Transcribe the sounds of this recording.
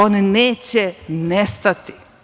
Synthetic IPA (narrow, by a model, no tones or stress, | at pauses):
oneneːt͡ɕenest̪at̪i